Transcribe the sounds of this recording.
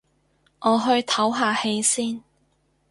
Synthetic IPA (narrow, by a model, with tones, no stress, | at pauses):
ʔɔː˨˧ɦɵ˧ɥt̪ʰɐ˨˥wɦaː˨˧he˨˧˥jsiː˥n